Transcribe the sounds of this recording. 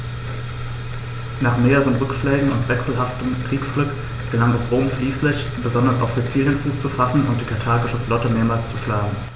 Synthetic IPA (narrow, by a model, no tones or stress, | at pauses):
naːχmeːʁəʁ̞ənʁʏkʃlɛːɡŋ̩ʊntv̥ɛksl̩ɦaftəmkʁ̥iːksɡ̥lʏk | ɡ̥əlaŋɛsʁoːmʃliːslɪç | b̥əzɔndɐsa̰ʊfz̥it͡siːljənfuːst͡sufasn̩ʊnt̚d̥iːkʰaɐtʰaːɡɪʃəflɔtəmeːɐmaːlst͡suʃlaːɡŋ̩